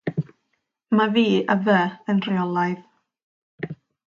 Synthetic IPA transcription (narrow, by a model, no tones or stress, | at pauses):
maviːəvəənriɔlˠajð